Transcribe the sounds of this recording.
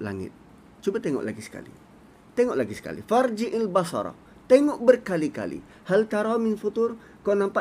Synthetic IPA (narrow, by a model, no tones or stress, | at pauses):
la̰ŋɪ̰t̪̚ | t͡ʃubat̪ɛŋɔ̰ʔla̰ɡisə̥ka̰lḭ | t̪ɛŋɔʔlaɡisə̥ka̰lḭfard͡ʒiʔɪlbasa̰ɾɔ̰ | t̪ɛŋɔʔbərkalika̰lḭ | halt̪aɾamɪnfut̪ʊr | konampa